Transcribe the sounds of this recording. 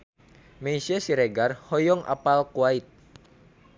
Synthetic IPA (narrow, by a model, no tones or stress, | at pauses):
mɛisiasiɾɛɡarhɔjɔŋʔa̰palkwait̪̚